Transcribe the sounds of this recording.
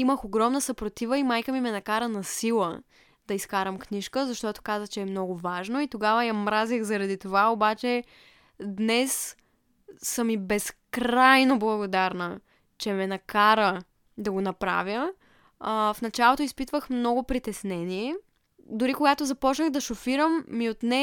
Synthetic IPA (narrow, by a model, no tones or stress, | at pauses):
iməxoɡɾɔmnəsɐpɾot̪ivəimajkəmimɛnɐkaɾənɐsilˠə | d̪̥ɐiskaɾəmkniʃkəzɐʃt̪ɔt̪o̥kazət͡ʃɛːmnɔɡʊvaʒnoit̪oɡavəjɐmɾazixzɐɾɐd̪it̪ovaobat͡ʃɛ | d̪nɛs | əmibɛskɾajnoblˠɐɡod̪aɾnə | t͡ʃɛmɛnɐkaɾə | d̪ɐɡonɐpɾa̰vʲjə | fnɐt͡ʃalˠot̪oispit̪vəxmnɔɡʊpɾit̪ɛsnɛniɛ | d̪ʊɾikoɡat̪ozɐpɔt͡ʃnəɣd̪ɐʃofiɾəmːiot̪nɛ